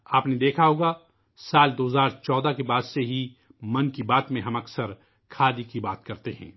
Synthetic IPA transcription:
aːpned̪eːkʰaɦoːɡa | saːld̪oːɦzaːɾt͡ʃɔːd̪akebaːd̪seɦi | mɐnkibaːt̪mẽɦɐ̃mɐksəɾ | kʰaːd̪ikibaːt̪kɐɾt̪eɦɛ̰̃ː

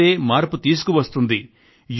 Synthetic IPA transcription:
e̞ːmaːɾput̪iːs̬u̥kuʋɐst̪und̪i | j

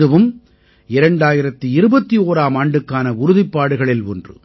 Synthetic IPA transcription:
ɯʋɯm | ɪɾɐɳɖaːjɪɾɐt̪ːɯɪɾɯbɐt̪ːioːɾaːmaːɳɖɯkːaːnɐʊɾʊðɪpːaːɽɯɣɐɭɪlɔndrɯ̰

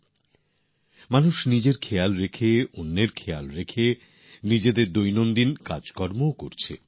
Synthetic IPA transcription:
manuʃnid͡ʑeɾkʰejalɾekʰeonːeɾkʰejalɾekʰe | nid͡ʑed̪eɾd̪ojnond̪inkad͡ʑkɔɾmookoɾt͡ɕʰḛ

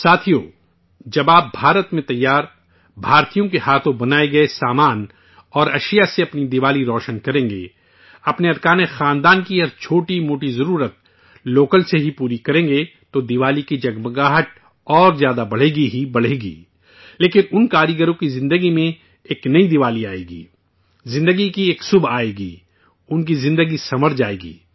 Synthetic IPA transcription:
saːt̪ʰijoː | d͡ʒɐbaːp̚bʱaːɾət̪mẽt̪ɐjːaːɾ | bʱaːɾt̪ijõkehaːt̪ʰõbɐnaːeɡɐesaːmaːn | ɔːɾɐʃijaseɐpnid̪ɪʋaːliɾɔːʃənkɐɾẽːŋɡḛː | ɐpneɐɾkaːnexãːnd̪aːnkiɐɾt͡ʃʰoːʈimoːʈizɐɾuːɾət̪̚ | loːkəlseɦipuːɾikɐɾẽːŋɡet̪od̪ɪʋaːlikid͡ʒɐɡbɡaːɦəʈ̚ | ɔːɾzjaːd̪abɐɽ̤eːɡiɦibɐɽ̤eːɡḭː | leːkɪnʊnkaːɾjəɡəɾõkizɪ̃nd̪əɡimẽ | eːknɐid̪ɪʋaːliaːḛːɡḭː | zɪ̃nd̪əɡikieːksʊbʱaːeːɡiː | ʊnkizɪ̃nd̪əɡisɐməɾd͡ʒaːḛːɡḭː

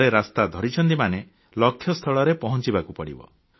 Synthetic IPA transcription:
ɾeɾast̪ad̪ʱɔɾit͡ʃʰɔnt̪imane | lɔkʰjɔst̪ʰɔɭɔɾepɔɦɔnt͡ʃibakupɔɽḭbɔ̰

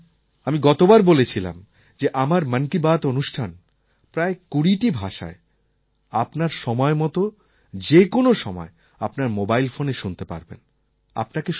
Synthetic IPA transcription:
amiɡɔt̪obaɾbolet͡ɕʰila̰m | d͡ʑeʔamaɾmankibat̪onuʃʈʰan | pɾaekuɽiʈibʱaʃa̰e | apnaɾʃɔmɔemɔt̪o | d͡ʑekonoʃɔmɔ̰e | apnaɾmobajlfoneʃunt̪epa̰ɾbḛn | a̰pnakeʃ

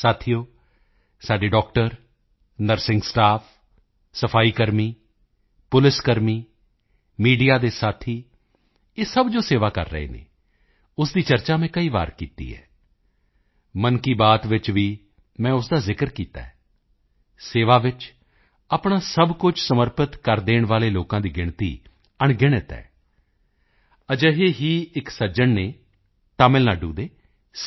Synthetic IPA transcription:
saːt̪ʰijoː | saːɖeːɖɔːk̚ʈəɾ | nəɾsɪŋɡsʈaːpʰ | səpʰaːiːkəɾmiː | pʊlɪskəɾmiː | miːɖijaːd̪eːsaːt̪ʰiː | eːsəbd͡ʒoːseːʋaːkə̰ɾːə̰ḛːnḛː | ʊsd̪iːt͡ʃəɾt͡ʃaːmɛ̃ːkəiːʋa̰ːɾkiːt̪ḭːɦɛ̰ː | mənkiːbaːt̪ʋɪt͡ʃʋiː | mɛ̃ːʊsd̪aːzɪkəɾkiːt̪a̰ːɛː | seːʋaːʋɪt͡ʃ | aːpɳaːsəbkʊt͡ʃʰsəməɾpət̪kəɾd̪eːɳʋaːleːloːkãːd̪iːɡɪɳt̪ḭː | əɳɡɪɽ̃ət̪ɛ̰ː | əd͡ʒəɦeːɦiːɪksəd͡ʒəɳneː | t̪aːmɪlnaːɖṵ̃ːd̪eː

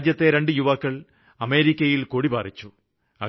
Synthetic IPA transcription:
d͡ʑjɐt̪ːe̞ɾe̞ɳɖɨjuʋɐkːɐɭ | ɐme̞ːɾikʲːɐjilkoɽibaːrit͡ɕːu | ɐ̰

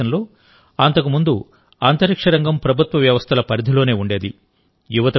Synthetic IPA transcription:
ɐnlo̞ː | ɐnt̪ɐkumund̪u | aːnt̪ɐɾikʂɐɾɐŋɡɐmpɾɐbʱut̪ʋɐʋjɐʋɐst̪ʰɐlɐpɐɾid̪ʱilo̞ːne̞ːuɳɖe̞ːd̪i | juʋɐt̪ɐ

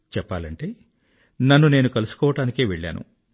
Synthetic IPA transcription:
t͡ʃɛpːaːlɐɳʈe̞ː | nɐnːuneːnukɐlusu̥kɔːʋɐʈaːnikeːʋeɭːa̰ːnṵ

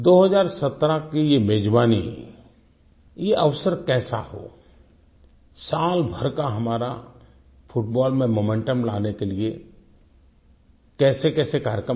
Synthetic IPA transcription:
d̪oːɦəzaːɾsɐt̪ɾakijemeːd͡ʒbaːniɦɛ̰ | jeʔəʋsəɾkɛːsa̰ho̰ː | saːlbʱɐɾkaɦɐmaːɾa | fʰʊʈ̚bɔːlmẽmoːmẽɳʈəmla̰ːnekelie | kɛːsekɛːsekaːɾjəkɾə

